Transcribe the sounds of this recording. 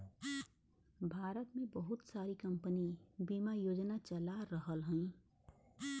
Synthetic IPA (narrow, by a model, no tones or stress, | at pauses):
bʱaːɾət̪mẽbəɦʊt̪saːɾikə̃mpənibimajoːd͡ʒnat͡ʃəlaɾəɦəlɦũĩ